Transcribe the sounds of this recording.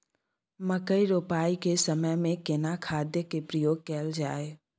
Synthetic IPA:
məkəiɾoːpaːikesəməjmẽkenakʰaːd̪jəkepɾəjoːɡ̚kɛːld͡ʒaːe

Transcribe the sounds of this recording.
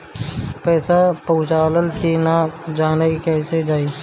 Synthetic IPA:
pɛːsapəɦʊ̃t͡ʃaːləlkinad͡ʒaːnəɡkɛːsed͡ʒaːi

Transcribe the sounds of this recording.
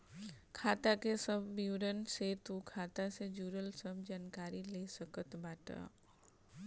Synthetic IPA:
kʰaːt̪akesəbʱːiwɾənset̪ukʰaːt̪ased͡ʒuːɾəlsəbʱd͡ʒaːnkaːɾileːsəkət̪baːʈa̰

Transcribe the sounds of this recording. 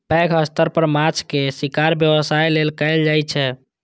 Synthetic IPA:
pɛɡɦəst̪əɾpəɾmat͡ʃʰkesikaɾbjəʋəsajlelkəɪld͡ʒajt͡ʃʰɛ

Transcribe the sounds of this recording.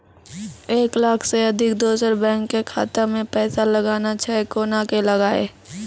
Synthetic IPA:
eːklaːkʰseɐd̪ʱɪk̚d̪oːsəɾbɛ̃ːŋkːekʰa̰ːt̪amẽpɛːsalɐɡaːnat͡ʃʰɛekoːnakelɐɡaːḛː

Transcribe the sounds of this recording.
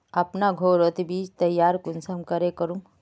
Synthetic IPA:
ɐpnaɡʱoːɾot̪biːt͡ʃt̪ɐjːaːɾkʊnsəmkəɾekəɾũ

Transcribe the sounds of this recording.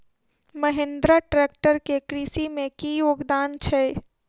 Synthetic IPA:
məɦẽnd̪ɾaʈɾeːk̚ʈəɾkekɾisimẽkijoːɡd̪aːnt͡ʃʰɛ

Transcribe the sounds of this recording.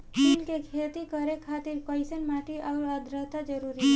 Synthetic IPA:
pilkekʰet̪ikəɾekʰat̪iɾpəɪsənmaʈiʔaʊɾəd̪ɾət̪ad͡ʒəɾuɾiɦɛ

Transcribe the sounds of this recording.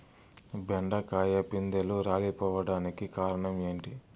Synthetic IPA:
beɳɖɐkaːjɐpind̪eluɾaːlipɔːʋɐɽaːnikikaːɾɐɳɐme̞ːɳʈi

